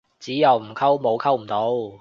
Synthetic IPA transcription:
t͡siː˨˥jɐ˨˧wm̩˨˩kʰɐ˥wmo˨˧wkʰɐ˥wm̩˨˩t̪o˨˥w

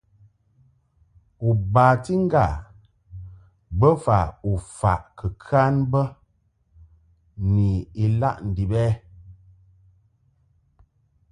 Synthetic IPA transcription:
u˨baː˨ti˦ŋ˦ɡa˨ | bə˦fa˨u˨fa̰˨ʔkə˨kʰa˦nbə˦ | ni˨i˨la̰˦ʔn̩˨di˨bɛː˦

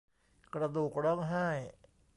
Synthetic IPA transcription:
kɾa˧d̪uː˨˩k̚ɾɔ˦˥˩ŋɦaː˥˩j

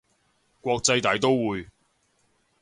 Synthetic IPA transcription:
kʷɔː˧k̚t͡sɐ˧jt̪aː˨˥jt̪o˥wwuː˨j

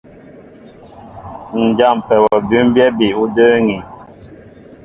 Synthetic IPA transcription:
n̩˨d͡ʒa˦˨m˨pɛ˨wɔ˨by˦mbjɛ˦bi˨u˦də˦ŋi˨

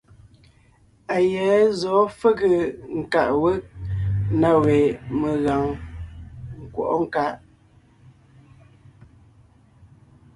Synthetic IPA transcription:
a˨jɛ˨˦zɔː˨˦fə˦ɣə˨ŋ̩˨ka˨ʔwə˦ʔ̚na˦we˨mə˨ɣa˨ŋ | ŋ̩˨kwɔ̰˨ʔɔ˦ŋ̩˨ka˦ʔ

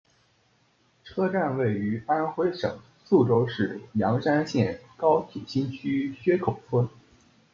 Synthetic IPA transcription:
ʈ͡ʂʰɤ˥ʈ͡ʂa˥˧nwe˥˩ɪy˧˥pa˥nxwe˥ɪʂɤ̰˨˩ŋ | su˥˩ʈ͡ʂo˥ʊʂɻ̩˥˩jɑ˧˥ŋʂa˥nɕjɛ˥˩nkɑ˥ʊt̪ʰi˨˩ɕi˥nt͡ɕʰy˥ɕɥɛ˥kʰo˨˩ʊfʰwə˥n

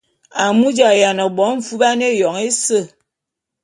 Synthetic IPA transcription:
a˨mu˦d͡ʒa˨ja˨nɔ˨bɔ˨˦ɱ̩˦˨fu˦ba˦ne˦˨jɔ˨ŋe˦sə˦˨

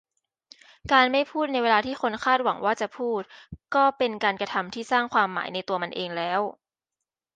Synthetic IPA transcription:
kaː˧nma˥˩jpʰuː˥˩t̪̚na˧jweː˧laː˧t̪ʰiː˥˩ko˧nkʰaː˥˩t̪̚wa˩˦ŋwaː˥˩t͡ɕa˨˩ʔpʰuː˥˩t̪̚kɔː˥˩pe˧nkaː˧nkɾa˧t̪ʰa˧mt̪ʰiː˥˩saː˥˩ŋkʰwaː˧mːa̰ː˩˦jna˧jt̪u˧ɐma˧nʔeː˧ŋlɛː˦˥w

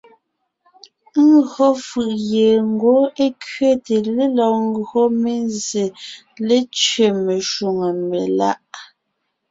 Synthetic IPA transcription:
ŋ˦ɡo˦fɯ˨ʔje˨ŋ˦ɡo˨˦e˦kɥe˦te˨le˦lɔ˨ŋ˦ɡo˦me˦˨nze˨ | le˦t͡ʃɥe˦˨me˨ʃu˨ŋe˨me˨la˦ʔ

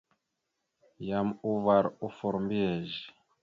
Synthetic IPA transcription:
ja˨mu˦va˨ɾu˦fɔ˨ɾmbi˦ɛ˨ʒi˨

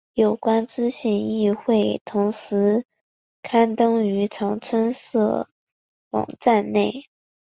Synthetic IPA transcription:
jo˨˩ʊkwa˥nt͡sɻ̩˥ɕi˥˩ŋi˥˧xwe˥˩ɪt̪ʰʊ˧˥ŋʂɻ̩˧˥ | kʰa˥nt̪ɤ˥ŋy˧˥ʈ͡ʂʰɑ˧˥ŋt͡sʰwə˥nsɤ̰˥˩ | wɑ̰˨˩ŋt͡sa˥˧nne˥˩ɪ

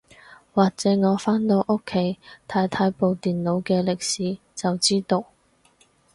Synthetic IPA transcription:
waː˨k̚t͡sɛː˨˥ŋɔː˨˧faː˥nt̪o˧wʔʊ˥kʰːe˨˧˥jt̪ʰaː˨˧jt̪ʰaː˧jpo˨wt̪iː˨nlo˨˧wkɛː˧lɪ˨k̚siː˨˥ | t͡sɐ˨wt͡siː˥t̪o˧w

